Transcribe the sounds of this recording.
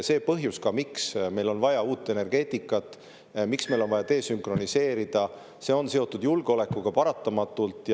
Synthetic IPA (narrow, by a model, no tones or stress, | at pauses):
se̞ːpɤɦjuskɑmiksme̞jlo̞nvɑjɑuːt̪ːˑe̞ne̞rɡ̥e̞ːt̪ːˑikːˑɑt̪ːˑ | miksme̞jlo̞nvɑjɑt̪e̞ːsyŋkro̞nise̞ːɾid̪̥ɑ | se̞o̞nse̞o̞t̪ːˑud̪̥julɡ̥eo̞le̞kːuɡ̥ɑpɑɾɑt̪ːˑɑmɑt̪ːˑult̪ːˑj